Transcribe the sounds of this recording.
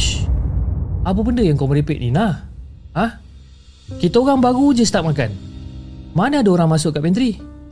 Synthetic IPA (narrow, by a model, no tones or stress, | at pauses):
ap̬əbəndəjaŋkawməɾipet̪̚ninahah | kit̪aoɣaŋbaɣud͡ʒəsə̥t̪ap̚makan | manaadaoɾaŋmasʊkːaʔpɛnt̪ɾi